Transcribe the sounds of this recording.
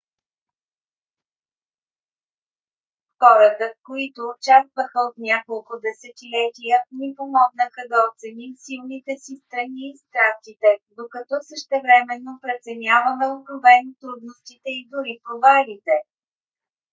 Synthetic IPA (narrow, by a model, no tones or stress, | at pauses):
xɔɾət̪əfkoit̪oːt͡ʃast̪vəxəot̪nʲjakolˠkʊd̪ɛsɛt̪ilɛt̪ijənipomɔɡnəxəd̪ɐot̪sɛnimsilˠnit̪ɛsist̪ɾɐniːst̪ɾast̪it̪ɛd̪okɐt̪ɔsəʃt̪ɛvɾɛmɛnːopɾɛt̪sɛnʲavəmɛokɾovɛnt̪ɾud̪nost̪it̪ɛid̪ʊɾipɾovalit̪ɛ